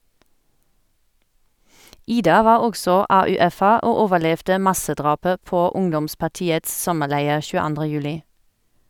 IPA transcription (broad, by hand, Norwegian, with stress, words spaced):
ˈiːdɑ ˈʋɑːʁ ˈɔɡsɔ ɑːʉːˈɛfə ˈʔoː ˈoːʋəˌlɛʋdə ˈmɑsəˌdʁɑːpə ˈpoː ˈʊŋdɔmspɑʁˌtiːəts ˈsɔməˌlæɪəʁ ʃʉːəˈɑndʁə ˈjʉːlɪ